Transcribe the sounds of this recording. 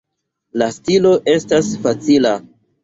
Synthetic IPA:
lastilo̞ʔe̞stasfat͡sila

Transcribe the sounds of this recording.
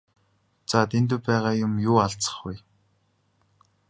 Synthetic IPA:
t͡sat̪ʰent̪ɵ̆pæːʁaːjʊmjʊːaɮt͡sə̥̆χɡuj

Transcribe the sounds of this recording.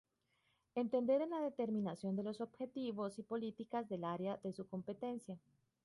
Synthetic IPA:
e̞nt̪e̞nd̪e̞ɾe̞nlaðe̞t̪e̞ɾmĩnasjo̞nd̪e̞lo̞so̞bxe̞t̪iβo̞sipo̞lit̪ikazðe̞laɾeaðe̞suko̞mpe̞t̪e̞nsja

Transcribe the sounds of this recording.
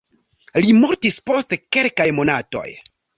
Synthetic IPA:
limoɾtispo̞stke̞lkajmo̞nato̞̰j

